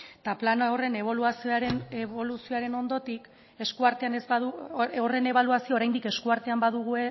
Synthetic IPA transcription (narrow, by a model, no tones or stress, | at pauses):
t̪aplanare̞ne̞βo̞luasioaɾeneβo̞lusio̞aɾe̞no̞nd̪o̞t̪ik | e̞skuaɾt̪e̞anezbaðuore̞ne̞βaluasioɾajnd̪ike̞skuaɾt̪e̞ambaðuɣue̞